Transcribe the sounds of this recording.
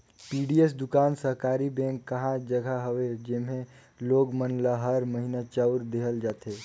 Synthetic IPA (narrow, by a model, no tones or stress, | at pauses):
piːɖiesd̪ʊkaːnsəɦkaːɾibɛ̃ːŋkːɐɦãd͡ʒəɡʱaɦəʋed͡ʒɪmɦẽ | loːɡmənlaɦəɾməɦinat͡ʃəʊɾd̪eːɦəld͡ʒaːt̪eː